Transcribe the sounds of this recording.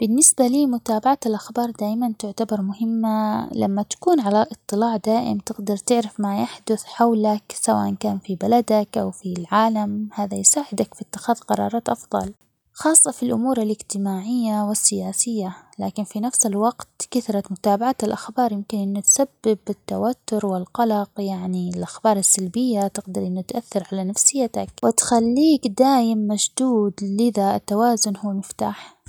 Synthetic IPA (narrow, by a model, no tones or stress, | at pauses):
b̥ɪnːɪsbaliːmʊt̪aːbaʕat̪ɪlʔaxbɑːɾˤd̪aːjmant̪ʊʕt̪abɑɾˤmʊhɪmːala̰mːat̪ḁkuːnʕalaʔɨt̪ˤːɨlaːʕd̪aːʔɪ̰mt̪ɪɡd̪ɑɾˤt̪ɪʕɾɪfmajaħd̪ʊθħawlaksawa̰ːʔankaːnfibalad̪akʔawfilʕaːlamhaːðajsaːʕɪd̪akfit̪ːɪ̥xaːðqɑɾˤɑ̰ːɾˤɑːt̪ʔɑfðˤɑ̰l | xɑːsˤːɑfilʔʊ̰muːɾalʔɪd͡ʒt̪ɪmaːʕɪjːawɪsːɪjaːsɪjːalaːkɪnfinafsɪlwɑɡt̪kɪθɾˤɑt̪mʊt̪aːbaʕat̪ɪlʔaxbɑːɾˤjɪmkɪnʔɪnːʊt̪sabːɪbɪt̪ːa̰wat̪ːʊɾwɪlqɑlɑqjaʕniɪlʔaxbɑːɾˤɪsːalbɪjːat̪ɪqd̪ɑɾˤʔɪnːʊt̪ʔaθːɪɾˤʕalanafsɪjːat̪akwɪt̪xalːiːkd̪aːjɪmːad͡ʒd̪uːd̪lɪðaɪt̪ːawaːzʊnhuːmɪft̪a̰ːħ